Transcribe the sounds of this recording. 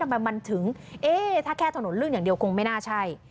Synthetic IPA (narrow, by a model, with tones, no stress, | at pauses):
a˨˩maː˨˩ma˨˩ŋt̪ʰɨ˨˦ŋʔe˧t̪ʰaː˧˥kʰɛ˧t̪ʰːno˨˦lɨ˧ɲɨ̰˧˦ŋɗi˨˩əwkʊ˨˩ŋme˧naː˧t͡ɕʰaː˧˩j